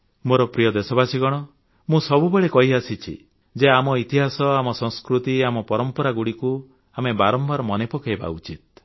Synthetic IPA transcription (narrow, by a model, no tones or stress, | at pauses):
moɾɔpɾijɔd̪esɔbasiɡɔɽ̃ɔ | mũsɔbubeɭekɔɦiasit͡ʃʰḭ | d͡ʒeamɔit̪iɦasɔamɔsɔ̃ŋskɾut̪iamɔpɔɾɔmpɔɾaɡuɽiku | amebaɾɔmbaɾɔmɔnepɔkɔeba̰ṵt͡ʃit̪̚